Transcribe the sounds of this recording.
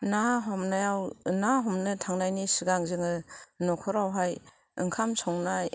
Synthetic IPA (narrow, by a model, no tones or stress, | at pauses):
naɦɔmnajawnaɦɔmnɯtʰaŋnajnisiɡaŋzɯŋɯnɔkʰɔɾawɦaj | ɯ̰ŋkʰamsʰɔŋnaj